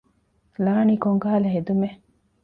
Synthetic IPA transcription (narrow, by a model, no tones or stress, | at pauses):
laːnikoŋɡaɦɐleɦed̪ume